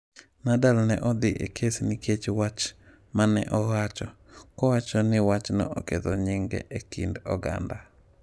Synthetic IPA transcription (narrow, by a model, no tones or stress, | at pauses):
nadalnɛ̰ʔɔd̪ɪʔḛkʰesnikʰet͡ʃwat͡ʃ | manɛ̰ʔɔwat͡ʃɔ | kɔwat͡ʃɔnɪwat͡ʃnɔ̰ʔɔket̪ɔɲɪŋɡɛ̰ʔekḭndɔ̰ɡa̰nda